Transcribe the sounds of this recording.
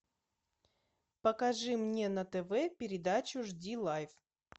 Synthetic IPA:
pəkɐʐɨmnʲe̞nɐt̪ɛvɛpʲɪɾʲɪd̪at͡ɕʊʐdʲilˠajf

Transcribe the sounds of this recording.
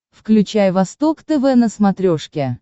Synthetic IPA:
fklʲʉt͡ɕæjvɐst̪okt̪ɛvɛnəsmɐt̪ɾʲoʂkʲɪ

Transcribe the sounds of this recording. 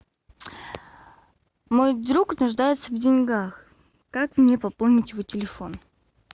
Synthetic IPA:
mo̞jd̪ɾuknʊʐd̪ajɪt̪səvdʲɪnʲɡax | kakmnʲe̞pɐpolˠnʲɪtʲjɪvotʲɪlʲɪfo̞n

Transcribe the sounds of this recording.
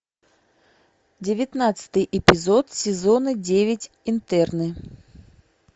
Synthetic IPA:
d͡zʲɪvʲɪt̪nat̪sɨ̥t̪ɨjʔɛpʲɪzɔt̪sʲɪzɔnɨd͡zʲevʲɪt͡sʲ | int̪ɛrnɨ

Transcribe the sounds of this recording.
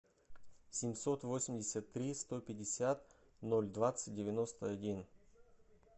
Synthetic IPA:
sʲɪmʲso̞t̪vosʲɪmʲdʲɪsʲət̪ːɾʲist̪o̞pʲɪdʲɪsʲat̪ | no̞lʲd̪vat̪sɨ̥t̚ʲdʲɪvʲɪno̞st̪əɐdʲin

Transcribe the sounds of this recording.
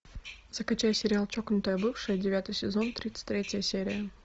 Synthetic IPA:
zəkɐt͡ɕæjsʲɪɾʲɪalˠt͡ɕoknʊt̪əjəbɨfʂɨjədʲɪvʲat̪ɨjsʲɪzo̞nt̪ɾʲit̪sɨ̥t̚ʲt̪ʲɾʲetʲəjəsʲeɾʲɪjə

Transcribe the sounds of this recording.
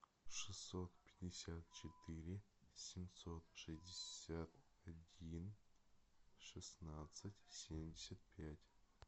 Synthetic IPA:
ʂɨsːot̪pʲetʲdʲɪsʲat̪̚t͡ʃʰet̪ʰɨɾʲɪsʲɪmsot̪ʂɨzʲdʲɪsʲat̪ | ɐdʲin | ʂɨsnat̪sɨtʲsʲemdʲesʲat̪̚pʲatʲ

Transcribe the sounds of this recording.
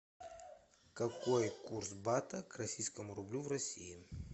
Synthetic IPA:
kɐkojkursbat̪əkrɐsʲijskəmʊɾʊblʲuvrɐsʲijɪ

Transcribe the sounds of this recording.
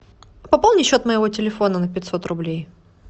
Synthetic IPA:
pɐpalˠnʲɪɕːo̞t̪məjɪvo̞tʲɪlʲɪfo̞nənəpʲɪtʲso̞t̪rʊblʲej

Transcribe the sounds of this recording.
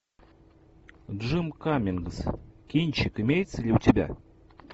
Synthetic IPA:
dʐɨmkamʲɪnɡskʲinʲt͡ɕɪkɨmʲejt̪səlʲɪutʲɪbʲæ̰

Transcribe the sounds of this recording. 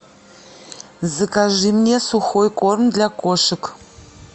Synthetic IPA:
zɨkʰʼɐʒiːmneːsuxojkʷʼɔrmdɮɐkʷʼɔʃɨkʰ

